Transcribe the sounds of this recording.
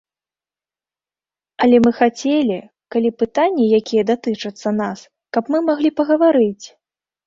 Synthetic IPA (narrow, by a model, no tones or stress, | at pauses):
ɐlʲɛmɨxat͡sʲelʲi | kalʲipɨt̪anʲːɛjakʲijɛd̪at̪ɨt͡ʂɐt̪sːɐnas | kɐpmɨmaɣlʲipɐɣɐvaɾɨt͡sʲ